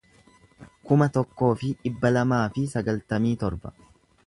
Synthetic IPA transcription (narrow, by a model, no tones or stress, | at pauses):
kʊmɐt̪ɔkːo̞ːfɪᶑɪbːɐlɐmaːfɪsɐɡɐlt̪ɐmiːt̪ɔɾbɐ